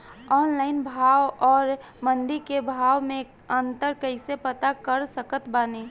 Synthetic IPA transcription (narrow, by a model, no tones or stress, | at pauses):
ɔːnlaɪnbʱawɔːɾ | mənd̪ikebʱaːwmẽ | ənt̪əɾkəɪsepət̪akəɾsəkət̪baːne